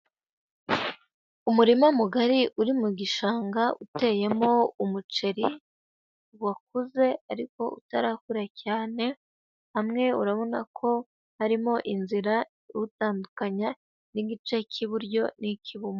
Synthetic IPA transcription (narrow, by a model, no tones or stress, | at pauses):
umuɾimamuɡaɾiʔuɾimuɡiʃaːŋɡaʔute̞je̞mo̞umut͡ʃe̞ɾi | wak̚uze̞aɾiko̞ṵtaɾaːkuɾacaːne̞ | hamŋe̞uɾaβo̞nakʰo̞ | haɾimo̞ʔinziɾa | iutaːndukaɲa | niɡit͡ʃe̞cʰiβuɾɟo̞nicʰiβumo